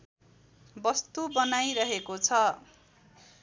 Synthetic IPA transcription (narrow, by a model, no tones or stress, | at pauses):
bʌst̪ubʌnajɾʌɦekot͡sʰʌ